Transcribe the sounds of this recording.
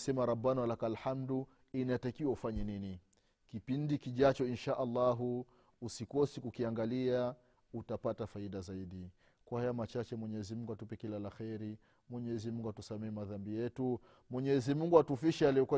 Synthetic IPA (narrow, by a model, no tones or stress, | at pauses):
sɛmaɾabːanwalakalħamdu | inaɛtakiwaufaɲɛnini | kipindikiʄat͡ʃɔinʃaʔalːaɦu | usikɔsikukiaŋɡalia | utapatafaiɗazaiɗi | kwahajamat͡ʃat͡ʃɛmwɛɲɛzimuŋɡuatupɛkilalaxɛɾi | mwɛɲɛɛzimuŋɡuatusamɛɛmaðambijɛtu | mwɛɲɛzimuŋɡuatufiʃɛaliɔkwa